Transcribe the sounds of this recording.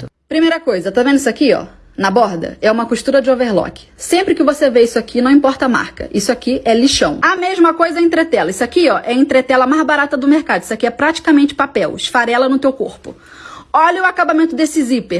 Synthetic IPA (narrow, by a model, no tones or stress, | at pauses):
pɾimejɾɐkojzɐt̪ovẽnd̪isʊakiɔ̰ | nɐbɔɾd̪ɐ̰ɛũmɐkuʃt̪uɾɐd͡ʒɪoveɾlɔ̰kɪ̥sẽmpɾɪkɪvoseveisʊakinɐ̃w̃ĩpɔɾt̪ɐama̰ɾkɐ̰ʔisʊakiʔɛliʃɐ̃w̃ɐmeʒmɐkojzɐẽnt̪ɾet̪ɛlɐisʊakiɔʔɛẽnt̪ɾet̪ɛlɐmazbaɾat̪ɐd̪ʊmeɾkad̪ʊisʊakiɛpɾat͡ʃi̥kɐmẽnt͡ʃɪ̥papɛwʃfaɾɛlɐnʊt̪ewko̰ɾpʊ̰ | ɔʎɐʊakabamẽnt̪ʊd̪esɪzipeɾ